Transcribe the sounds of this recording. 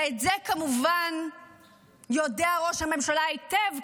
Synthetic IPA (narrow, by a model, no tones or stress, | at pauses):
etzekamuvan | jo̞deaʁo̞ʃhame̞mʃalaitev